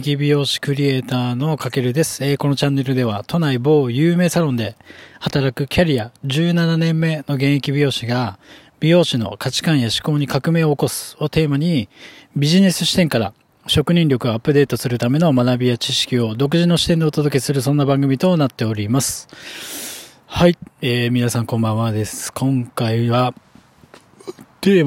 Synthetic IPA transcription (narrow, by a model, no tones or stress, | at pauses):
kʲibʲijo̞ːɕi̥kɯ̟ɾʲie̞ːt̪aːno̞kake̞ɾɯ̟d̪e̞sɨ̥eːko̞no̞t͡ɕãnːe̞ɾɯ̟d̪e̞βat̪o̞naibo̞ːjɯːme̞ːsaɾõ̞nd̪e̞hat̪aɾakɯ̟kʲaɾʲiaʑɨːnananẽ̞mːe̞no̞ɡẽ̞ɰ̃ekʲibʲijo̞ːɕiɡa | b̥ʲijo̞ːɕino̞̰kat͡ɕi̥kãɰ̃jaɕi̥ko̞ːɲ̟ikakɯ̟me̞ːooko̞sɨ̥o̞t̪e̞ːmaɲ̟ibʲiʑine̞sɨ̥ɕi̥t̪ẽ̞ŋkaɾa̰ | ɕo̞kɯ̟ɲ̟ĩɾʲjo̞kɯ̟apːɯ̟d̪e̞ːt̪o̞sɨɾɯ̟t̪ame̞no̞manabʲijat͡ɕiɕi̥kʲio̞d̪o̞k̬ɯ̟ʑino̞ɕi̥t̪ẽ̞nd̪e̞ot̪o̞d̪o̞ke̞sɨɾɯ̟sõ̞nːabãŋɡɯ̟mʲit̪o̞nat̪ːe̞oɾʲimasɨ̥ | haieːmʲinasãŋkõ̞mbãɰ̃ad̪e̞sɨ̥kʰõ̞ŋkaiβa | t̪eː